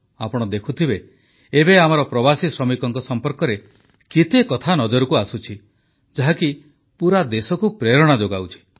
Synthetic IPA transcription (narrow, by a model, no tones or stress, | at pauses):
a̰pɔɽ̃ɔd̪ekʰut̪ʰibe | ebeam̤aɾɔpɾɔbasisɾɔmikɔŋkɔsɔmpɔɾkɔɾe | kit̪ekɔt̪ʰanɔd͡ʒɔɾukuasut͡ʃʰi | d͡ʒaɦaki | puɾad̪esɔkupɾeɾɔɽ̃ad͡ʒoɡawt͡ʃʰi̥